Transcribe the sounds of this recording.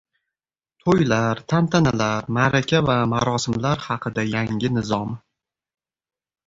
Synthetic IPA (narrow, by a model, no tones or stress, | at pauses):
t̪ʰojlaɾt̪ʰant̪ʰanalaɾmaɾakʲʰavamaɾɒsɪmlaɾhɑqʰɨd̪ajaŋʲɪnɪzɒm